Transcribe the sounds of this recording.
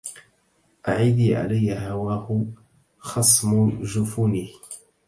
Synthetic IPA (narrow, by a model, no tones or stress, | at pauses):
ʔaʕiːd̪iʕa̰lajːaɦawaːhʊ | xɑsˤmʊʒʊfunih